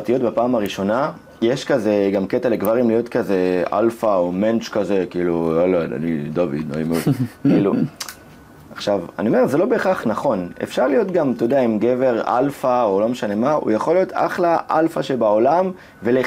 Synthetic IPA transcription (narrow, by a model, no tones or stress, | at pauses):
t̪ijo̞t̪bapaːmaʁiʃo̞na | jeʃkaze̞ɡamket̪aleɡvaʁimlijo̞tkaze̞a̰lfaoment͡ʃkaze̞kiːluolaa̰nidovḭno̰imeodkiːlu | aχʃava̰niomeze̞lo̞beχaχnaχo̞ne̞̰fʃaʁlijo̞t̪ɡamt̪ojod̪eaimɡeve̞ʁa̰lfao̞lo̞meʃane̞maṵjaχo̞lijo̞t̪ʰa̰χlaʔalfaʃebao̞lam | vele